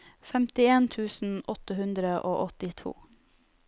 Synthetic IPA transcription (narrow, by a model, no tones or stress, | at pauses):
fɛmt̪ɪeːnt̪ʰʉːsn̩ʔɔt̪əhʉnd̪ɾəʔoːʔɔt̪ɪt̪ʰṵː